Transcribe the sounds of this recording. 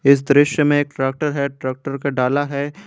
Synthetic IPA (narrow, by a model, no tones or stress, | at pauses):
ɪs̬d̪ɾɪʃjəmẽeːk̚ʈɾaːk̚ʈəɾɦɛʈɾaːk̚ʈəɾkaɖaːlaɦɛ